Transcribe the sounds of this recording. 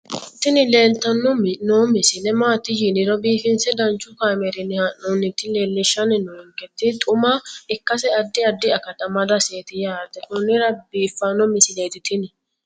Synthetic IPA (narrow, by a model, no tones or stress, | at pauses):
ɪt̪ːɪnɪle̞ːlt̪ːɐnːɔmnoːmɪsɪlɛmaːt̪ːɪjɪnɪɾɔbiːfɪnsɛd̪ɐnt͡ʃːʊkaːmɛɾɪnːɪhɐnːɔnɪt̪ːɪleːlːɪʃːɐnɪnɔɔŋkɛt̪ːɪt̪ʼʊmɐɪkːɐsɛɐd̪ːɪɐd̪ːɪɐkɐt̪ɐmɐd̪ɐseːt̪ɪjaːt̪ːɛt̪ʊnːɪɾɐbiːfːɐnːɔmɪsɪleːt̪ɪt̪ɪnɪ